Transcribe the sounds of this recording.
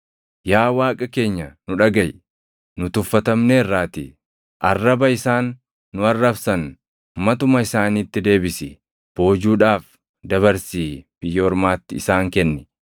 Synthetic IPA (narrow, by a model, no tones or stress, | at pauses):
jaːwaːkʼɐke̞ːɲːɐnʊᶑɐɡɐj | nʊt̪ʊfːɐt̪ɐmneːrːaːt̪ɪ̰ | ʔɐrːɐbɐɪsaːnː | ʊɐrːɐfsɐn | mɐt̪ʊmɐɪsaːniːt̪ːɪd̪e̞ːbɪsɪ | b̥o̞ːd͡ʒuːᶑaːf | d̪ɐβɐɾsiːb̥ɪjːɐɔɾmaːt̪ːɪɪsaːŋkɛnːɛ